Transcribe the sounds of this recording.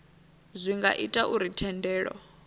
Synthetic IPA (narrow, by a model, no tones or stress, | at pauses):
zʷiŋɡa̰ʔitʼaʔuɾitʰɛndɛːɺɔ̰